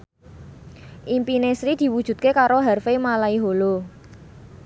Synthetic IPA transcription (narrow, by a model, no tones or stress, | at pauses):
ʔimpinesɾid̪̥i̤wud̥ʒ̥ṳt̪̚kekaɾoɦɛrfemalaiɦolo